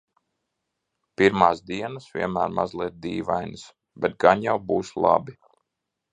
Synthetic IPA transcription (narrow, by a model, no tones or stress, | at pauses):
piɾmaːsd̪iɛnasvʲḭɛnmæːɾma̰zlˠiɛt̪̚d̪iːʋajnɨs | bɛt̪̚ɡaɲjawbuːslˠa̰bi